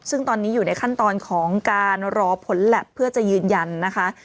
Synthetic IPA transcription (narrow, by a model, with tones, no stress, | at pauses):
sɯ˥˩ŋt̪ɔː˧nːiː˦˥juː˨˩na˧jkʰa˥˩nt̪ɔː˧nkʰɔː˩˦ŋkaː˧nɾɔː˧pʰo˩˦nlɛ˨˩pʰːɯ˥˩ɐt͡ɕa˨˩jɯː˧nja˧nːa˦˥kʰa˦˥ʔ